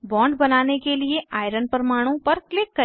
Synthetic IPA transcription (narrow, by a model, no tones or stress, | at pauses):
bɔ̃ːɳɖbɐnaːnekelieʔaːɪɾənpɐɾmaːɽ̃õpɐɾklɪkːɐ